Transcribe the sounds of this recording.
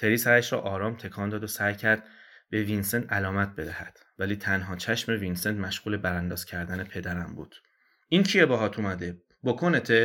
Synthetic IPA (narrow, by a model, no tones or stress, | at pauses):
t̪ʰe̞ɾiːsæɾæʃɾɒ̰ːʔɒːɾɒːmt̪ʰe̞kʰɒːnd̪ɒːd̪osæjcʰæɾd̪̥̚ | b̥e̞vinsent̪ʰælɒːmæt̪̚be̞d̪æhæ̰d̪̥ | væliːt̪ʰænɦɒːt͡ʃʰæʃme̞vinsent̪mæʃɣ̥uːle̞bæɾænd̪ɒːz̥cʲʰæɾd̪æne̞pʰe̞d̪æɾæmbṵːd̪̥ | incʰiebɒɦɒːt̪ʰumæd̪e̞ | bokʰonet̪ʰe